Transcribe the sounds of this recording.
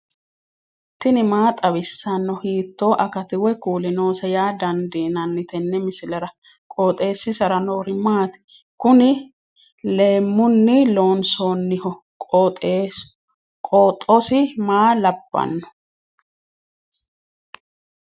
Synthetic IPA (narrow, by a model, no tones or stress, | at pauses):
t̪ːɪnɪmaːt̪ʼɐbɪsːɐnːɔhiːt̪ːo̞ːʔɐkɐt̪ɪwɛkuːlɪno̞ːsɐjaːd̪ɐnd̪eːnɐnːɪt̪ɛnːɛmɪsɪlɐɾɐ | kʼoːt̪ʼe̞ːsːɪsɐɾɐnoːɾɪmaːt̪ɪ̥ | kʊnɪ | le̞ːmːʊnːɪlo̞ːnsoːnːɪhɔ | kʼːt̪ʼe | kʼoːt̪ʼːɔsɪmaːlɐbːɐ̰nːɔ̥